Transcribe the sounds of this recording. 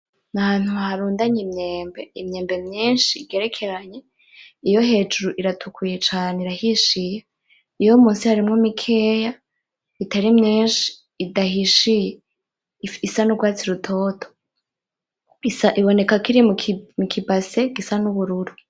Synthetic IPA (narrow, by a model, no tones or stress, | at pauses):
nahaːn̥huhaɾuːndaɲimɲeːmbeimɲeːmbe̞mɲiːnʃiːɡe̞ɾe̞kʰe̞ɾaɲe̞ | ijo̞ɦe̞ːd͡ʒuɾuʔiɾatʰukʰuje̞t͡ʃaːneiɾahiʃije | ijo̞muːnsihaɾimŋomikʰeːja | itaɾimɲiːnʃi̥ː | dahiʃije | isanuɡwaːt͡siɾutʰo̞ːtʰo̥ | isaʔiβo̞ne̞kakiɾimmukʰibaseɡisanuβuɾuɾu